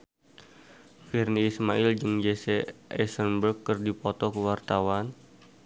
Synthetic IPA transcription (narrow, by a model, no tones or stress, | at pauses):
firniːsmaɪld͡ʒɨŋd͡ʒesɛʔɛsərnbərkːɨrdipɔt̪ɔkəwart̪awan